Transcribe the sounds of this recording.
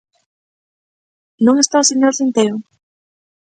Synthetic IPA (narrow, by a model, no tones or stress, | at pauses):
nõŋest̪aʊseɲoɾθint̪eɾʊ